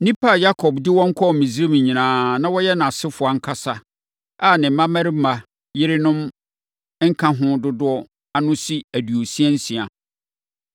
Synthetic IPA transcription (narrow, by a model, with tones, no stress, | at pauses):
nĩ˦pʰa˦˨ja˦kʰɔ˨bdɪ˦wɔ̃˦ŋ̩˦kʰɔ˦˨mĩ˨zɾi˦m̃˨ɲĩ˨nãː˨nã˦wɔ˦jɛ˦nã˨sɪ˦fʊ˨a˨ŋ̩˦kʰa˦sa˦ | a˦˨nɪ̃˨˦mã˦mæ˦ɾi˦ma˨ | jɪ˦ɾɪ˦nʊ̃˦m | ŋ̩˦kʰã˦ɦʊ̃˦dʊ˦dʊ˦ɔ˦ | a˨nʊ̃˦si˦æ˨du˨o˨si˦ɛ˦n̩˦sĩ˨a˨